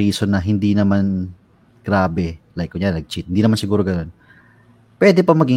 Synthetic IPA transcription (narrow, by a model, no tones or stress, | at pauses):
iːso̞nɐɦɪnd̪inɐman | ɡ̥ɾaːbɛlajkːʊnjannɐɡ̚t͡ʃit̪̚hɪnd̪inɐmansɪɡuːɾo̞ɡɐno̞n | pwɛːd̪ɛpɐmɐɡi